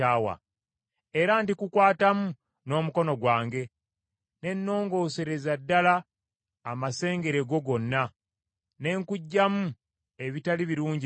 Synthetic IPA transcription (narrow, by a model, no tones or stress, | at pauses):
aːwa̰ | e̞ɾantikukwaːtamu | no̞ːmuko̞no̞ɡwaːŋɡe̞ | ne̞nːo̞ːŋɡo̞ːse̞ɾe̞zadːalaː | mase̞ːŋɡe̞ɾe̞ɡo̞ɡo̞nːa | ne̞ŋkuɟːamu | e̞βitaliβiɾuːɲɟi